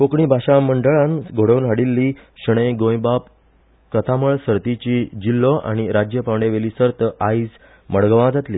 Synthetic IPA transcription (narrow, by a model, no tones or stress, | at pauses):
kokɳiːbʱaɕaməɳɖəɭãnɡʱoɽəwnɦaɽilːiːɕəɽ̃əjɡõjbap | kət̪ʰaməɭsəɾt̪it͡ɕid͡ʑilːɔʔa̰ɽ̃iɾad͡ʑjəpaʋɳɖeʋeliːsəɾt̪əaid͡z | məɽɡəʋãd͡zat̪liː